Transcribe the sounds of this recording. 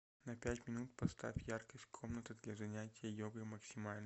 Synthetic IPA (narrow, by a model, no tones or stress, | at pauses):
nɐpʲætʲmʲɪnut̪̚pɐst̪a̰fʲjarkəsʲt̚ʲkʰo̞mnət̪ɨd̪lʲɐzɐnʲætʲɪjəjoɡɨməksʲɪmalʲn